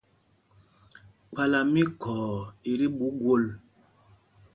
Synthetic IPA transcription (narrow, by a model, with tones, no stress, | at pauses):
k͡pa˦la˨mi˦kʰɔː˨i˨ɾi˦ɓu˨˦ɡwo˦˨l